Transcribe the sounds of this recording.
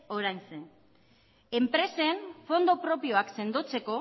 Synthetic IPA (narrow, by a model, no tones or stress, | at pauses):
oɾajnse | e̞mpɾe̞se̞ɱfo̞nd̪opɾo̞pio̞akse̞nd̪o̞t͡se̞ko̞